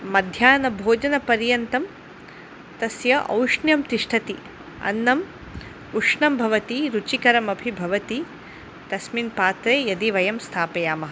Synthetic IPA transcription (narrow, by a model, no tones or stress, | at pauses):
mɐd̪ʱjaːnɐbʱoːd͡ʒɐnɐpɐɾjɐnt̪ɐm | t̪ɐsjɐʔɐ̰wʂɳjɐmt̪iʂʈʰɐt̪i | ɐ̰nːɐm | uʂɳɐmbʱɐʋɐt̪iɾut͡ʃikɐɾɐmɐbʱibʱɐʋɐt̪i | t̪ɐsminpaːt̪ɾeːjɐd̪iʋɐjɐmst̪ʰaːpɐjaːmɐɦ